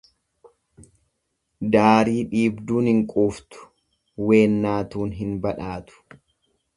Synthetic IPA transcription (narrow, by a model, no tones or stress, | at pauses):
d̪aːɾiːᶑiːbd̪uːnɪŋkʼuːft̪ʊ̥ | we̞ːnːaːt̪uːnɦɪnbɐᶑaːt̪ʊ̥